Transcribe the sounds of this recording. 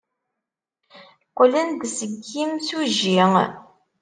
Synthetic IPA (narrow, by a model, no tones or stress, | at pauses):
qːlənd̪səɡːimsuʒiŋ